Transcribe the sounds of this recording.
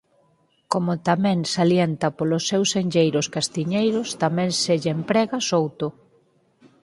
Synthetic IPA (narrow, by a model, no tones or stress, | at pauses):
komʊt̪amɛ̃ŋsaljent̪ɐpolʊsːewseɲʎejɾʊskast̪iɲejɾʊst̪amɛ̃ŋseʎempɾɛɣasowt̪ʊ